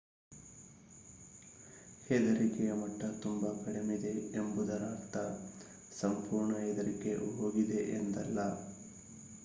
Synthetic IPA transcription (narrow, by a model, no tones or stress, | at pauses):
hed̪ɐɾikɛjɐmɐʈːɐt̪umbɐkɐɽemid̪e̞embud̪ɐɾaːɾt̪ɐ | sɐmpuːɾɳɐɦed̪ɐɾike̞ɦoːɡid̪e̞ʔend̪ɐlːɐ